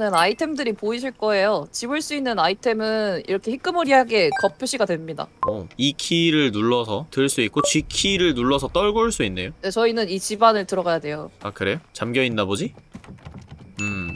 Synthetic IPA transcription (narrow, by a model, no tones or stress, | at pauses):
nɯnaitʰe̞mdɯɾipoiɕ̬ʰiɭk͈ʌe̞jot͡ɕibɯɭs͈uinːɯnaitʰe̞mɯnḭɾʌkʰe̞hik͈ɯmɯɾiɦaɡe̞kʌpʰjoɕ͈ʰiɡadwe̞mɲida̰ʌikʰiɾɯɭnuɭːʌsʰʌtɯɭs͈uit̚k͈ot͡ɕɥikʰiɾɯɭnuɭːʌsʰʌt͈ʌɭɡoɭs͈uinːe̞jone̞t͡ɕʌinɯnit͡ɕibanɯɭtɯɾʌɡajade̞joakɯɾe̞jot͡ɕamɡjʌinːabod͡ʑi | ɯ